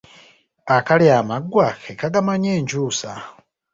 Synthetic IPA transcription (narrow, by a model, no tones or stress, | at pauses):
akaliamaɡwakɛkaɡamaɲɛnd͡ʒuːsa